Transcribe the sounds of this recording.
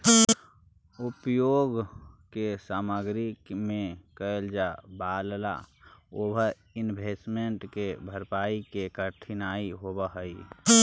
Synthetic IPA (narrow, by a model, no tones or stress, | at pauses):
ʊpjoːɡkesaːməɡɾikmẽkəeld͡ʒabaːlla̰oːbʱə | ɪnbʱesmeɳʈkebʱəɾpaːikekəɾt̪ʰinaːiɦobəɦəi